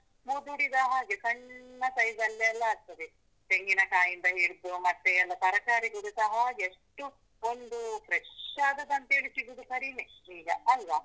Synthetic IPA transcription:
mud̪uɽid̪aɦaːɡekɐɳːɐsɐjzɐlːeɐlːɐːɾt̪ːɐʋe | t̪eŋɡinɐkaːjind̪ɐɦiɾd̪umɐt̪ːeɐlːɐsɐɾɐkaːɾiɡɐɽusɐɦɐeʂʈu | ond̪upɾeʂaːd̪ɐd̪ɐnt̪eːɭit̪iɡud̪ukɐɾiːmeiːɡɐɐlʋɐ

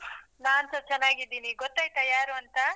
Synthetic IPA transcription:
naːnsɐt͡ʃɛnːaːɡid̪ːiːniɡɔt̪ːaːjt̪ɐjaːɾuɐnt̪ɐ

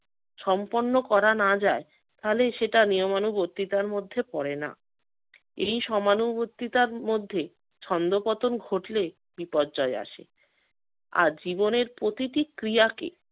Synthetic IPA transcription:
ʃɔmponːokɔɾanad͡ʑae | t̪aleʃeʈanijomanubot̪ːit̪aɾmod̪ʱːepɔɾena̰ | ejʃɔmanubot̪ːit̪aɾmod̪ʱːe | t͡ɕʰɔnd̪opɔt̪onɡʱoʈle | bipɔd̚d͡ʑɔea̰ʃḛ | a̰ɾd͡ʑiboneɾpɾot̪iʈikɾijakḛ

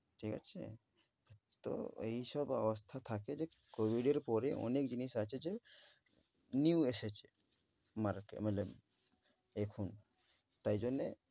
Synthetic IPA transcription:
ʈʰika̰t͡ʃʰḛ | t̪ɔ̰ḛɦisɔbɔʋəst̪ʰat̪ʰaked͡ʒe | kobiɖeɾpɔɾeʔɔ̰nekd͡ʒinisat͡ʃʰed͡ʒe | njueset͡ʃ | maɾkḛmele | ekʰun | t̪aid͡ʒɔne

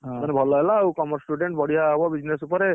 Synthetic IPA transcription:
ɦanɛbʱɔlɔɦɛlaːwkɔmɔɾsʈuɖeɳʈ̚bɔɽijaɦbɔbid͡ʒnesupɔɾe

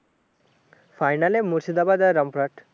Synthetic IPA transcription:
fajnalemuɾsid̪abad̪aɾʌmpɾaʈ

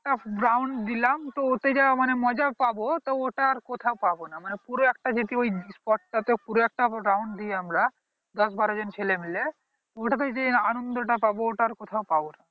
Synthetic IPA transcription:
ɛkʈaɡɾawɳɖd̪ilamt̪oot̪ed͡ʑamanemɔd͡ʑapabot̪ooʈaɾkot̪ʰaopabonamanepuɾoɛk̚ʈad͡ʑot̪iojspɔʈ̚ʈat̪epuɾoɛk̚ʈaɡɾawɳɖd̪ieamɾa | d̪ɔsbaɾod͡ʑont͡ɕʰelemile | t̪oʈat̪et̪eanond̪oʈapabooʈaɾkot̪ʰaopabona

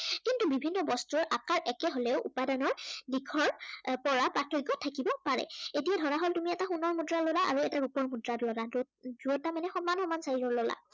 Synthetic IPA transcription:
kintubibʱinːɔbɔstuɹʔakaɹʔɛkɛɦolɛʊʔupadanɔɹdikʰɔɹpɔɹapɹatʰɔjɡɔtʰakibɔpaɹɛ̰etijadʱɔɹaɦoltumiɛtaxunɔɹmudɹalɔlaʔa̰ɹuɛtaɹupɔɹmudɹatlɔlad | zuɔtamanɛxɔmanxɔmansaizɔɹlɔla̰

